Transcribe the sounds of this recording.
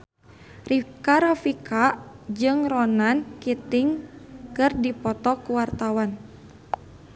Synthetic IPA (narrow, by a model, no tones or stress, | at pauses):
rikaɾɔfikaʔd͡ʒɨŋrɔnankit̪ɪŋkɨrdipɔt̪ɔkuwart̪awan